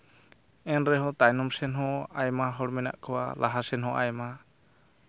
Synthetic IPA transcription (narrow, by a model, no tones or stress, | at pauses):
ɛnɾɛɦɔt̪ajnɔmsɛnɦɔ̃ajmaɦɔɽmɛna̰ʔkʰɔwa̰laɦasɛnɦɔ̃ʔajma